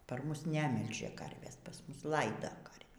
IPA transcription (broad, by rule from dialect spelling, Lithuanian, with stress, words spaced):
pɐr ˈmʊs ˈnʲæːmʲɪlʲʒʲɛ ˈkɐrʲʋʲeːs pɐr ˈmʊs ˈlˠɐɪdɐ kɐrʲʋʲiː